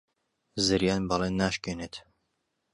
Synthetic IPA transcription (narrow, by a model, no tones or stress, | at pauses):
zɨɾjaːnbɑlˠeːnːaːʃkeːneːt̪